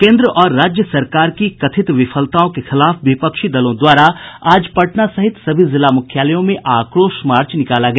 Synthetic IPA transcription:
kẽːnd̪ɾəʔɔːɾːaːd͡ʒjəsɐɾkaːɾkikɐt̪ʰɪt̪ʋɪfʰəlt̪aːõkexɪlaːfʋɪpəkʃid̪ɐlõd̪waːɾaaːd͡ʒpɐʈnasɐɦɪt̪sɐbʱizɪlamʊkʰjaːləjõmẽʔaːkɾoːʃmaːɾt͡ʃnɪkaːlaɡɐja

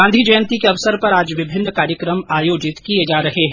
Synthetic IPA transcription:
ãːnd̪ʱid͡ʒɐjə̃nt̪ikeɐʋsəɾpɐɾaːd͡ʒʋɪbʱɪnːəkaːɾjəkɾəmaːjoːd͡ʒɪt̪kied͡ʒaːɾɐɦeɦɛ̃

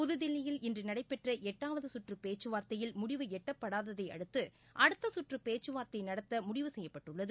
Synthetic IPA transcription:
pʊðɯðɪlːɐjɪlɪndrɯnɐɽɐɪpːɛʈrɐʔɛʈːaːʋɐðɯsʊʈrɯpeːt͡ʃːɯʋaːɾt̪ɐjɪlmʊɽɪʋɯɛʈːɐpːɐɽaːðɐðɐɪɐ̰ɽɯt̪ːɯ | ʔɐɽɯt̪ːɐsʊʈrɯpeːt͡ʃːɯʋaːɾt̪ɐɪnɐɽɐt̪ːɐmʊɽɪʋɯsɛjːɐpːɐʈːɯɭːɐðɯ

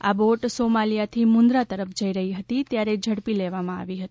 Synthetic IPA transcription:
a̰boʈsomalijat̪ʰimʊ̃nd̪ɾat̪əɾəpʰd͡ʒəiɾəɦiɦət̪it̪jaɾed͡ʒʱəɽpileʋamãa̰ʋiɦət̪i

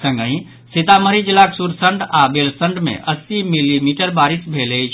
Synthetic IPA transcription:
sə̃ŋɡəĩ | sit̪aməɾid͡ʒilaksuɾsəɳɖabelsəɳɖmḛ̃ʔəsimilimiʈəɾbaɾisbʱelət͡ʃʰ

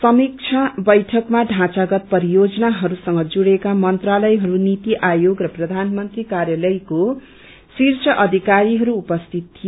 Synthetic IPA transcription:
sʌmik̚t͡sʰʌbʌjʈʰʌkmaɖʱãt͡saɡʌt̪̚pʌɾijod͡zʌnaɦʌɾusʌŋɡʌd͡zuɽekamʌnt̪ralʌjɦʌɾunit̪iʔajoɡrʌprʌd̪ʱanmʌnt̪rikaɾjalʌjko | sirt͡sʰʌʔʌd̪ʱikaɾiɦʌɾuːpʌst̪ʰit̪̚t̪ʰːio

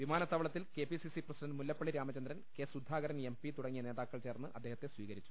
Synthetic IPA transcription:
ʋimaːnɐt̪ːɐʋɐɭɐt̪ːilkeːpisisiprɐsidɐnɖmulːɐpːɐɭiɾaːmɐt͡ɕɐnd̪ɾɐnke̞ːsud̪ʱːaːɣɐɾɐne̞mpit̪uɽɐŋːijɐneːðaːkːɐɭt͡ɕe̞ːrnːɨʔɐd̪ːeːhɐt̪ːe̞sʋiːɣɐɾit͡ɕːu̥

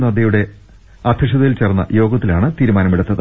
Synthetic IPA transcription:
nɐd̪jɐjuɽe̞ | ɐd̪ʱjɐʂ̬ɐðɐjilt͡ɕerɐnːɐ̰jo̞ːɡɐt̪ːilaːɳɨt̪iːɾumaːnɐmiɽut̪ːɐðɨ

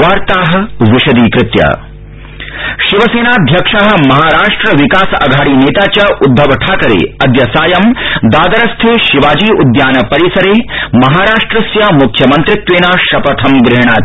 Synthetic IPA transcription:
ʋaːɾt̪aːɦɐ̆ʋiʃɐd̪iːkɾɪt̪jɐ̰ | ʃiʋɐseːnaːd̪ʱjɐkʂaːɦɐ̆mɐɦaːɾaːʂʈɾɐʋikaːsɐ̰ɡʱaːɽiːneːt̪aːt͡ʃɐʔud̪ʱːɐʋɐʈʰaːkɐɾḛːɐd̪jɐsaːjɐmd̪aːd̪ɐɾɐst̪ʰeːʃiʋaːd͡ʒiːud̪jaːnɐpɐɾisɐɾeːmɐɦaːɾaːʂʈɾɐsjaːmukʰjɐmɐnt̪ɾit̪ʋeːnaːʃɐpɐt̪ʰɐmɡɾɪɦɳ̃aː

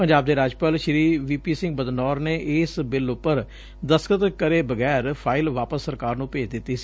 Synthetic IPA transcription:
pəɲd͡ʒaːb̚d̪eːɾaːd͡ʒpəlʃɾiːʋiːpiːsɪ̃ŋɡbəd̪nɔːɾneːʔɪːsbɪlʊpːəɾ | d̪əskət̪kəɾeːbəɡɛːɾpʰaːɪlʋaːpəsːəɾkaːɾnũːpeːd͡ʒd̪ɪt̪ːiːsi̥ː

